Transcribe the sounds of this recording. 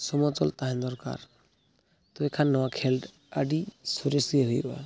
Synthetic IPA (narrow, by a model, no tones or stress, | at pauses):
sɔmɔt͡ʃɔlt̪aɦend̪ɔɾka̰ɾ | t̪oekʰanːɔwakʰelɖ | aɖisoɾesieɦojɾɔa̰